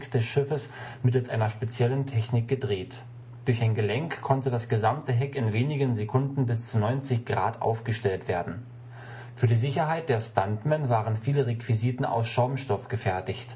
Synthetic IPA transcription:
kd̥ɛsʃɪfəsmɪtl̩sʔa̰ɪnɐʃpet͡sjɛləntʰɛçnɪk̚ɡ̥ədʁeːt | d̥ʊɐçaɪnɡəlɛŋkʰːɔntədasɡ̥əzamtəɦɛkɪnveːnɪɡənzekʰʊndn̩bɪst͡sunɔʏnt͡sɪçɡ̥ʁa̰ːtʔa̰ʊfɡ̥əʃtɛltv̥eːɐdn̩ | fyːɐdiːzɪçɐɦaɪt̚d̥eːɐstantmɛnvaːʁənfiːləʁekv̥iziːtn̩a̰ʊsʃaʊmʃtɔfɡ̥əfɛɐtɪçt

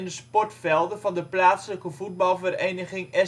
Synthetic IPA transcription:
ɪndəspɔrtfɛlˠdəvɑndəplaːtsləkəvud̚bɑlˠvərejnəχɪŋɛ

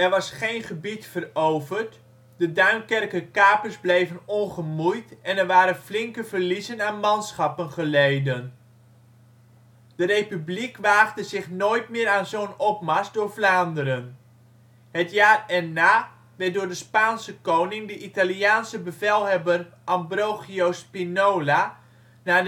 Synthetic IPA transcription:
ɛrʋɑsχeːnχəbitfərowvərt | dədœɥnkɛrkəkaːpərzblejvənɔnχəmujtɛnɛrʋaːɾənflɪŋkəvərlizənaːnmɑnsχapənχəlejdən | d̥ərejpyblikʋaːχdəzɪχnoːjtmɪːɾaːnzonɔpmasdʊːrflaːndəɾən | ɦətjaːrɛnːaː | ʋɛt̚dʊːɹdəspaːnsəkownɪŋdəʔitaliaːnsəbəvɛlˠɦɛbərʔɑmbrowɣiowspinoːla | naː

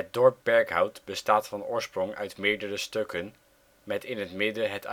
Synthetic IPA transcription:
ɦət̚dɔɹp̚bɛɹkɦʌwtbəstaːtfɑnʊːɹsprʊŋʔœ̰ɥtmɪːɹdərəstøkən | mɛtɪnɦətmɪdəɦət

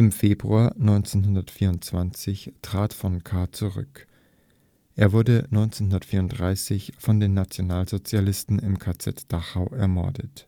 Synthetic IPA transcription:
ʔɪmfeːbʁuaːɐnɔʏnt͡senɦʊndɐtfiːɐʊntt͡sv̥ant͡sɪçtʁ̥aːtfɔnkʰaːt͡suʁʏ̰k | ʔeːɐvʊɐdənɔʏnt͡senɦʊndɐtfiːɐʊntd̥ʁaɪsɪçfɔndeːnːat͡sjonaːlzot͡sjalɪstn̩ɪmkʰaːt͡sɛ̰td̥aχaʊʔɛɐmɔ̰ɐdət

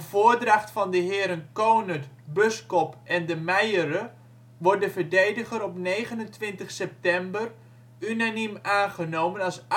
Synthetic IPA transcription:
voːdraχtfɑndəɦɪːɾənkownət | bʏskɔpʔɛndəmɛjəɾə | ʋɔr̚dəvəɹdejdəχəɾɔpnejχənəntʋɪntəχsɛp̚tɛmbər | ynanimaːnχənowmənɑs

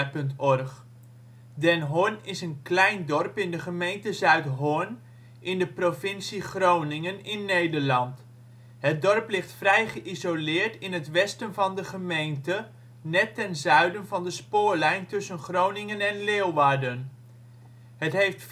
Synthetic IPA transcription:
pɵntɔrχ | dɛnɦʊnɪsənklɛjndɔrpɪndəχəmejntəzœɥtɦʊn | ʔɪndəprovɪnsiχrownɪŋənɪnːejdəɹlɑnt | ɦət̚dɔrplɪχtfrɛjχəʔizolɪːɹtɪnɦətʋɛstənvɑndəχəmejntə | nɛtːɛnzœɥdənvɑndəspʊːɹlɛjntɵsənχrownɪŋənɛnlɪːlʋaːɹdən | ɦətɦejft

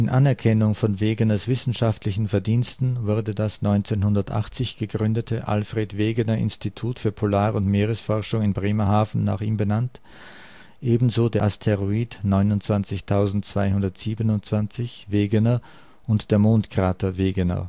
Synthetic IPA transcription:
ʔɪnʔanɛɐkʰɛnʊŋfɔnveːɡənɐsv̥ɪsn̩ʃaftʰlɪçn̩fɛɐdiːnstn̩vʊɐdədasnɔʏnt͡seːnhʊndɐtʔa̰χt͡sɪçɡ̥əɡʁʏndətʰəʔa̰lfʁ̥eːtveːɡənɐʔɪ̰nstʰitʰuːtfyːɐpʰolaːʁʊntmeːʁəsfɔʁʃʊŋɪnbʁeːmɐhaːfn̩na̰ːχiːmbənant | ʔeːbm̩zoːdeːɐʔastʰeʁoiːdnɔʏnʊntt͡sv̥ant͡sɪçtʰaʊzn̩tt͡sv̥aɪhʊndɐtz̥iːbənʊntt͡sv̥ant͡sɪçveːɡənɐ | ʔʊntd̥eːɐmoːntkʁ̥aːtɐveːɡənɐ̰

